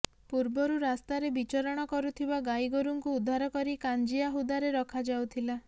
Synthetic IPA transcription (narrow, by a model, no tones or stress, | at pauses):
puɾbɔɾuɾast̪aɾebit͡ʃɔɾɔɽ̃ɔkɔɾut̪ʰibaɡajɡoɾuŋkuːd̪ʱːaɾɔkɔɾikand͡ʒijaɦud̪aɾeɾɔkʰad͡ʒawt̪ʰila